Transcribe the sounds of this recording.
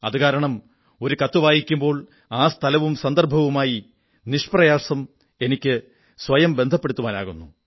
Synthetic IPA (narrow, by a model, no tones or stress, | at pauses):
ɐðɨɣaːɾɐɳɐm | o̞ɾukɐt̪ːuʋaːjikʲːumbo̞ːɭ | aːst̪ʰɐlɐʋumsɐnd̪ɐrbʱɐʋumaːji | niʂprɐjaːsɐm | e̞nikʲːɨ | sʋɐjɐmbe̞nd̪ʱɐpːe̞ɽut̪ːuʋaːna̰ːɣunːu